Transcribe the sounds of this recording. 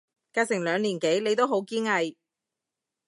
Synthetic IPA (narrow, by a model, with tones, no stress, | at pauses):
kaː˧jsɪ˨˩ŋlœː˨˧ŋliː˨˩nke˨˥jle˨˧jt̪o˥wɦo˨˥wkiː˥ŋɐ˧j